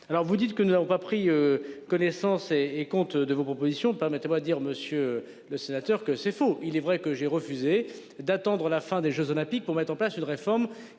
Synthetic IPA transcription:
alɔʁvud̪it̪kənunavɔ̃papχiøkɔnɛsɑ̃seːkɔ̃t̪d̪əvopχɔpozisjɔ̃pɛʁmɛt̪emwad̪əd̪iʁməsjø | ləsenat̪œʁkəsɛfoilɛvʁɛkəʒɛʁəfyze | d̪at̪ɑ̃d̪ʁəlafɛ̃d̪eʒøzɔlɛ̃pik̚puʁmɛt̪χɑ̃plasynʁefɔʁm

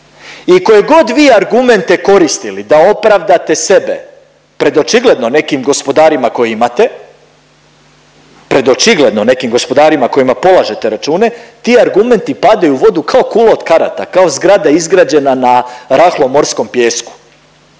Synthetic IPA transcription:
iko̞jeɡo̞d̪ʋiːaɾɡume̞nt̪eko̞ɾist̪ilid̪ao̞pɾaʋd̪at̪e̞se̞bḛ | pɾe̞d̪o̞t͡ʃiɡle̞d̪no̞ne̞kimɡo̞spo̞d̪aːɾimako̞jeimat̪e̞ | pɾe̞d̪o̞t͡ʃiɡle̞d̪no̞ne̞kimɡo̞spo̞d̪aːɾimako̞imapo̞lˠaʒe̞t̪e̞ɾat͡ʃuːne̞t̪iːaɾɡume̞nt̪ipad̪ajuʋo̞d̪ukao̞kuːlood̪kaɾa̰t̪a̰kao̞zɡɾad̪aizɡɾaːd͡ʑe̞nanaɾaxlˠo̞mo̞ɾsko̞mpjeːsku̥

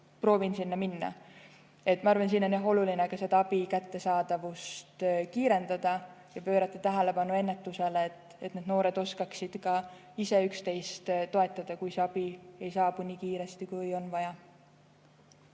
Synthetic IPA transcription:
pro̞ːvinsinːɑminːɑ̰ | e̞t̪ːˑmɑɑɾvɑnsiːno̞neɦo̞lulinekɑse̞d̪ɑɑb̥ikæt̪ːe̞sɑːd̪̥ɑvust̪kiːɾe̞nd̪̥ɑd̪̥ɑ | jɑpø̞ːɾɑt̪ːˑɑt̪æɦæle̞pɑnːue̞nːe̞t̪ːˑuse̞let̪ | et̪ned̪̥no̞ːɾe̞d̪̥o̞skɑksid̪̥kɑ | ise̞ykst̪e̞jst̪t̪o̞e̞t̪ːˑɑd̪̥ɑkujseɑb̥ie̞jsɑːbunʲikiːɾe̞st̪ikujo̞nvɑjɑ

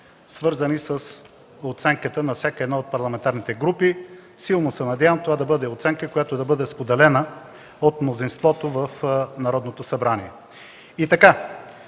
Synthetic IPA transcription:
svɤɾzənisəs | ot̪sɛŋkət̪ənɐfsʲakəɛd̪naot̪̚pɐɾlˠɐmɛnt̪aɾnit̪ɛɡɾupi | silˠnosɛnɐd̪javəmt̪ovad̪ɐbɤd̪ɛot̪sɛŋkəkojat̪od̪ɐbɤd̪ɛspod̪ɛlɛnə | ot̪mnozinst̪vɔt̪ovəfnɐɾɔd̪not̪osɐbɾaniɛ | it̪ɐka

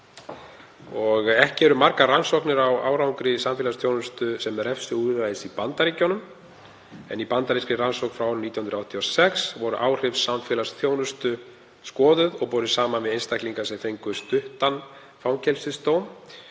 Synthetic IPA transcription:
ɔɣɛhcɪɛɾʏmaɾkaransɔwknɪɾawa̰ːwɾawŋkɾɪsamfɪːlasθʰjoːwnʏst̪ʏsɛmɛɾɛfsʏuvaðɪsipant̪aɾiːconʏm | ɛ̰nipant̪aɾiskɾɪransowkfɾawnit̪jahʏnɾawht̪ʰiɔsɛksvɔɾʏ̰ʔaːwr̥ɪfsːamfɪːlasθjoːwnʏst̪ʏ | skɔːðʏðɔɣpɔɾʏsaːmanvɪðejnst̪ahkliŋkasɛθejŋkʏst̪ʏht̪an | fawŋcʰɛlsɪðst̪own

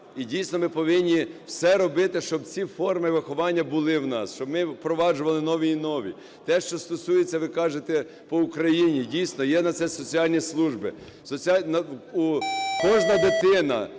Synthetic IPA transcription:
idʲijsnɔmɪpɔʋɪnʲːiwsɛɾɔbɪt̪ɪʃt͡ʃɔbt͡sʲifɔrmɪʋɪxɔʋɑnʲːɐbʊlˠɪwnɑsʃt͡ʃɔbmɪpɾɔʋɑd͡ʒʊʋɐlˠɪnɔʋʲiːnɔʋʲḭ | t̪ɛʃt͡ʃɔst̪ɔsujet͡sʲːɐʋɪkɑʒet̪ɛ | pɔʊkɾɐjinʲidʲijsnɔjɛnɐt̪sɛsɔt͡sʲiɑlʲnʲislˠuʒbɪ | sɔt͡sʲiɑnɐukɔʒnɐd̪ɪt̪ɪnɐ̰

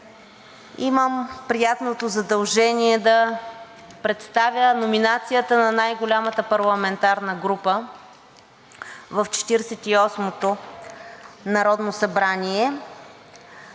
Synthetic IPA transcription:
iməmpɾijat̪not̪ozɐd̪ɐlˠʒɛniɛd̪ɐ | pɾɛt̪st̪avʲənominat̪sijət̪ənɐnajɡolʲamət̪əpɐɾlˠɐmɛnt̪aɾnəɡɾupə | vəft͡ʃɛ̥t̪iɾsɛt̪iɔsmot̪o | nɐɾɔd̪nosɐbɾaniɛ

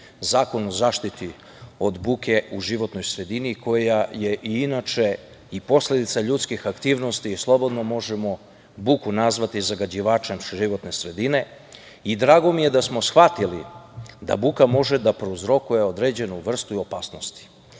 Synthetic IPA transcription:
zaːko̞nozaːʃt̪it̪i | o̞d̪buke̞uʒiʋo̞t̪no̞jsɾe̞d̪inikʰo̞jaje̞ʔiinat͡ʃe̞ | ipo̞sle̞d̪it̪saʎuːt̪skixakt̪iːʋno̞st̪iːslˠo̞bo̞d̪no̞mo̞ʒe̞mo̞ | bukunazʋat̪izaɡad͡ʑiʋaːt͡ʃe̞mʒiʋo̞t̪ne̞sɾe̞d̪ine̞ | id̪ɾaːɡo̞mije̞d̪asmo̞sxʋat̪ilḭd̪a̰bukamo̞ʒed̪apɾouzɾo̞kuje̞o̞d̪ɾe̞ːd͡ʑe̞nuʋr̩st̪uio̞paːsno̞st̪i̥

